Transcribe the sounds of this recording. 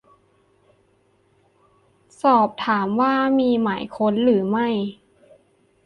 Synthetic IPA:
sɔː˨˩p̚t̪ʰaː˩˦mwaː˥˩miː˧maː˩˦jkʰo˧˥nlɯː˩˦ma˥˩j

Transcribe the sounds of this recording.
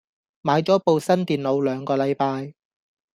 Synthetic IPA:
maː˨˧jt͡sɔː˨˥po˨˧wsɐ˥nt̪iː˨nlo˨˧wlœː˨˧ŋkɔː˧lɐ˨˧jpaː˧j

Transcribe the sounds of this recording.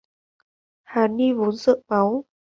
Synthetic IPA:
haː˨˩ni˧vo˨˦nzə̰˧˨ma˨˦w

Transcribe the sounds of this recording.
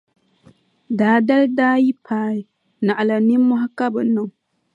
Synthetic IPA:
daː˨da˦ldaː˦ji˦pʰaː˦i˨ | na˨ʔa˨la˨ni˦mɔ˦ɦa˦ka˦bɨ˨nɨ˨ŋ˨

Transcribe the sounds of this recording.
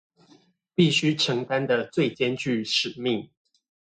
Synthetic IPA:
pi˥˨ɕy˦ʈ͡ʂʰɤ˨˧˥ŋt̪a˦nd̪ə˨t͡swe˥˨ɪt͡ɕjɛ˦nt͡ɕy˥˩ʂɻ̩˨˩mi˥˨ŋ

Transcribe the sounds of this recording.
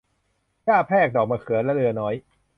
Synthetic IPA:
jaː˥˩pʰɛː˥˩k̚dɔː˨˩k̚maː˧kʰɯ˨˩˦lɛ˦˥ɾɯ˧ɐnɔː˦˥j

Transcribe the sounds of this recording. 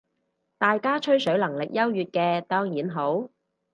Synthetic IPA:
t̪aː˨jkaː˥t͡ʃʰɵ˥ɥsɵ˨˥ɥlɐ˨˩ŋlɪ˨k̚jɐ˥wjyː˨t̚kɛː˧t̪ɔː˥ŋjiː˨˥nɦo˨˥w

